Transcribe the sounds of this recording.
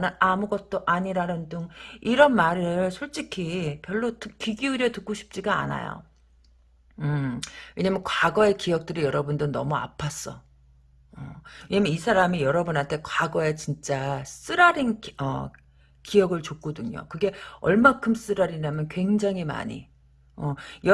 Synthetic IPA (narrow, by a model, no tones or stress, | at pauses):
nɯamuɡʌt̚t͈oʔaɲiɾanɯndɯŋiɾʌnmaɾɯɭsʰoɭt͡ɕ͈ikʰipjʌɭːotɯkɥiɡiuɾjʌtɯk͈̚oɕʰi̥p̚t͡ɕ͈iɡa̰ːna̰jo̰ | ɯeɲamjʌnkwaɡʌe̞kijʌk̚t͈ɯɾijʌɾʌbundonʌmua̰pʰas͈ʌ̰ | ʌweɲamjʌnisʰaɾamijʌɾʌbunɦantʰe̞kwaɡʌet͡ɕint͡ɕ͈as͈ɯɾaɾinʌ̰ | kijʌɡɯɭt͡ɕok͈ʌdɯɲo̰kɯɡe̞ʌ̰ɭmakʰɯms͈ɯɾaɾiɲamjʌnkwe̞ŋd͡ʑaŋima̰ɲḭ | ʌj